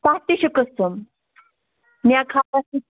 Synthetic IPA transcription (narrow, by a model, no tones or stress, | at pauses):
pat̪iɕəkəstəm | njakʰatasi